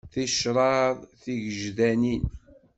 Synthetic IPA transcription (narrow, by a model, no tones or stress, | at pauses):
θiʃɾˤɑðˤθiʝəʒðænin